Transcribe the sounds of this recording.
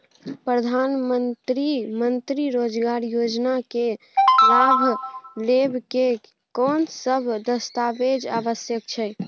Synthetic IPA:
pɾəd̪ʱanmənt̪ɾimənt̪ɾiɾod͡ʒɡaɾjod͡ʒnake | labʱlebʱke | kɔnsəbʱd̪əst̪abed͡ʒa̰bəsjəkt͡ʃʰɛ

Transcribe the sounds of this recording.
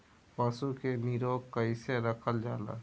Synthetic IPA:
paːsukeniɾoːɡkaɪseɾəkʰəld͡ʒaːla̰ː

